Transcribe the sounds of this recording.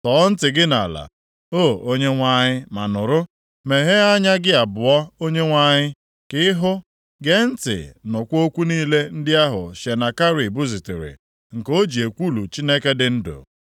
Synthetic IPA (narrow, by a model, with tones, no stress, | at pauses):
tɔː˨˦n̩˦tɪ˨ɡɪ˦na̰˨la̰˨ | o˦˨o˦ɲe˦ŋʷa˦ɲɪ˦ma˨nʊ˨ɾʊ˦ | me˨ɦe˦a˦ɲa˦ɡɪ˦a˨bʊ˨ɔ˦o˦ɲe˦ŋʷa˦˨ɲɪ˦ | kɪ˦ɪ˦ɦʊ˦ | ɡe˦n̩˦tɪ̰˨nʊ˨kʷo˦kʷu˦niː˦le˦n̩˦dɪ˦a˦ɦʊ̰˨ʃe˨na˨ka˦ɾi˨bu˦zi˨tɪ˨ɾɪ̰˨ | ŋ̩˨ko˦d͡ʒi˨e˨kʷu˦lu˨t͡ʃi˦ne˦ke˦dɪ˦n̩˦dʊ̰˨